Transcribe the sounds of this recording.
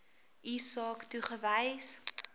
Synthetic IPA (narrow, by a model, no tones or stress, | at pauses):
isɑːktuχəvɛjs